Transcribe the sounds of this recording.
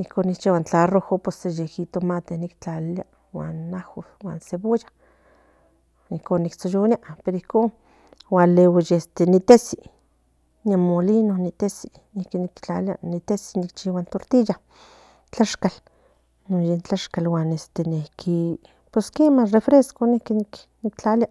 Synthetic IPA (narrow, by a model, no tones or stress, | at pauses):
ihkoːnikt͡ʃiawant͡ɬarohopesejehit̪omat̪enikt͡ɬalja̰ | wa̰nːaho | wa̰ːnseβoja | ihkoːnːikt͡sojoniaʔpeɾoihkon | walewijest̪enit̪esi | namːolinonit̪esi | nihkinikt͡ɬa̰lja̰nit̪esi̥nikt͡ʃiwant̪oɾt̪ija | t͡ɬaʃkal | nojent͡ɬaʃkalwanest̪enihkʰi | pweskemarefɾeskonihkinik | nikt͡ɬaljaʔ